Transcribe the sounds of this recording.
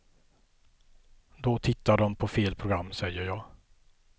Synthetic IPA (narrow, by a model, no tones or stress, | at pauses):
d̪ɔt̪ʰɪt̪ːaɖɔmpʰɔfeːlpʰɾʊɡɾamːsɛjːəɾjɑːɡ